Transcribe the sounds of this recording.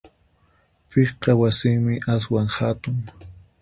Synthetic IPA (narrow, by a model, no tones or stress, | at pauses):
pesqɑwasɪŋmɪʔaswaŋhat̪ʊŋ